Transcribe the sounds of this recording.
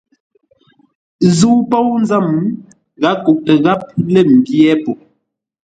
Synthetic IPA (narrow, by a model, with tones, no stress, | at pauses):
zu˦po˦wn˦za˦˨m˦ | ɣa˨˦ku˨ʔtə˨ɣa˦p̚lə˦˨m̩˨bjɛ˦po˨